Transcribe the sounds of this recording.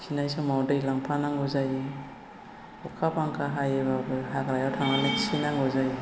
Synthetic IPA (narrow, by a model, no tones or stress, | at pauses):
kʰinajsɯŋmawdɯjlaŋpʰanaŋɡɔzaj | ɔkʰapaŋkʰaɦajeβabɯɦakɾajawtʰaŋanaki̥sinaŋɡɔzaj